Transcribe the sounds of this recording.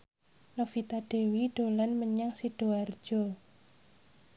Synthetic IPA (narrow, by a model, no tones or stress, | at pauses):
nofit̪adɖ̥e̤wiɖ̥o̤lanməɲaŋsiɖ̥o̤ard̥ʒ̥o